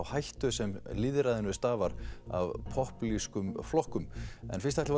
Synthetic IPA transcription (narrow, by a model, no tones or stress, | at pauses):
whajht̪ʏsɛmlɪðɾaðɪnʏst̪aːvaɾa̰vpʰɔhpliskʏmflɔhkʏmɛ̰nfɪ̥rst̪ɛht̪v